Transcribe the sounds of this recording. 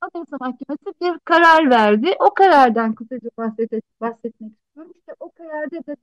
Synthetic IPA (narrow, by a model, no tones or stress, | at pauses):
ad̪asɯmahcːemesibiɾkʰaɾaɾvæɾd̪ɪʔo̞kʰaɾaɾd̪ænkɯsad͡ʒabahsɛt̪ɛbahsɛt̪̚mɛci̥st̪ijoɾmuʃt̪ɛʔo̞kʰaɾaɾd̪ɛb̪e